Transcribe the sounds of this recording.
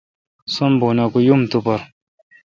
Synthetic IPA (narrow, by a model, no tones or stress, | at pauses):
sombonakujumt̪upɐɾ